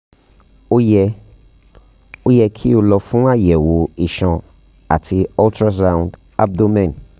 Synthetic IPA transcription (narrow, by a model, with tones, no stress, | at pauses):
o˦jɛ˧ | o˦jɛ˧kʰi˦o˨lɔ˨fũ˦a˦jɛ˨wo˨i˨ʃɔ̃˨ | a̰˨tʰi˨ɔ˦ltɾa˦s̬ã˦˨ũ˨nd | a˦b̚d̪o˦mɛ̃˦˨n